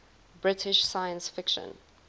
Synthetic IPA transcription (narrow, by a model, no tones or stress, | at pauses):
bɹɪtʰɪʃsajə̃nsfɪkʃə̰̃n